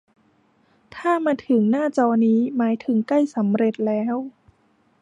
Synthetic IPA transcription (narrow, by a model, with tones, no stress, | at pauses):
t̪ʰaː˥˩maː˧t̪ʰɯ˩˦ŋnaː˥˩t͡ɕɔː˧niː˦˥maː˩˦jt̪ʰɯ˩˦ŋkla˥˩jsa˩˦mɾe˨˩t̪̚lɛː˦˥w